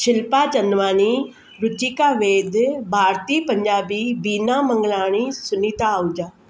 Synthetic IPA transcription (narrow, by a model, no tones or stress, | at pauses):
ʃɪlpaːd͡ʒənʋaːniː | ɾʊd͡ʒiːkaːʋeːd̪bʱaːɾt̪iːpəɲd͡ʒaːbiːbiːnaːməŋɡlaːɽ̃iːsʊniːt̪aːʊd͡ʒaː